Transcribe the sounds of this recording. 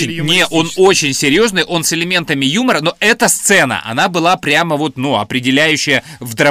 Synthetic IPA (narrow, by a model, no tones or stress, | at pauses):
ɪnʲnʲeʔo̞no̞t͡ɕɪnʲsʲɪɾʲjo̞znɨjʔo̞nsɪlʲɪmʲe̞nt̪əmʲɪjuməɾəno̞ʔɛt̪əst̪sɛnə̰ʔɐ̰nabɨlˠapɾʲaməvo̞t̪nuɐ̰pɾʲɪdʲɪlʲæjʉɕːɪjəvd̪ɾɐ